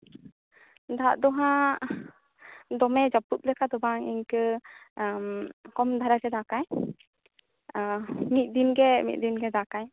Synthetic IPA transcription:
d̪a̰ʔd̪ɔɦã | d̪ɔmɛd͡ʒaput̪̚lɛkad̪ɔbaŋḭɲkə | mkɔmd̪ʱaɾaɡɛd̪akaj | mit̪̚d̪inɡɛmḭt̪̚ˀd̪inɡɛd̪akaj

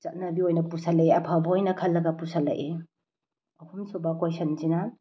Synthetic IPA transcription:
sɐt̚nɐbiojnɐpusalɐjeɐpʰawbɐojnɐkʰɐlːɐɡɐpusalːɐ̰ʔe | ɔhumsubakojsɐnzina

